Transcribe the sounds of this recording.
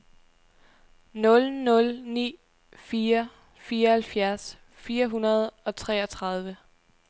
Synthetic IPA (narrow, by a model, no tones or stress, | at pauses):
nɔ̽lnɔ̽lnḭː | fiːɐ | fiːɐɒhælfjæɐs | fiːɐɦunɐð̞ˠɒ̽t͡sʰʁɛ̰ːɒt͡sʰʁɑ̈ð̞ˠʋə